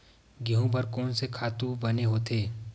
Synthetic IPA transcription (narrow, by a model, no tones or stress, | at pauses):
ɡiɦũpɐɾkɔːnsekʰaːt̪ũbɐneɦoːt̪ʰeː